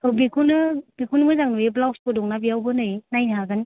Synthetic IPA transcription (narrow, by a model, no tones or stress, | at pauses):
ɯbikʰunɯb̥ikʰunmɯjzaŋnujeblawspɯdɔŋnabijawbɯnɯjnajnaɡɯn